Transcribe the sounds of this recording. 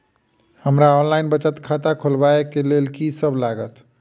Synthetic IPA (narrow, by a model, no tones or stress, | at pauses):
həmɾaɔnlaɪnbət͡ʃət̪kʰat̪akʰolbaekelelkisəbʱlaɡət̪